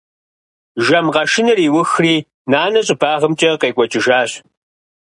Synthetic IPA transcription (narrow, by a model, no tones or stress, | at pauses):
ʒɐmʁɐʃɪnɐriːwʊxriː | naːnɐɕʼɪbaːʁəmt͡ʃʼɐqeːkʷʼɔt͡ʃʼɪʒaːɕ